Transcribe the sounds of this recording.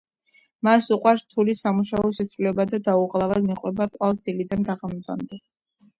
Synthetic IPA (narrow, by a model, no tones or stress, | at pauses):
masuqʼwaɾst̪ʰulisamuʃaɔʃɛt̪sʰʼɾulɛbad̪ad̪auʁlˠavad̪miqʼwɛbaqʼwalˠsd̪ilid̪and̪aʁamba̰md̪ɛ